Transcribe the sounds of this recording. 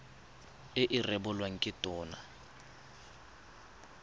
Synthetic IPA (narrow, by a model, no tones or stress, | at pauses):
ɪʔɪrɛbʊlwaŋ̩kʼɪtʼɔːna̰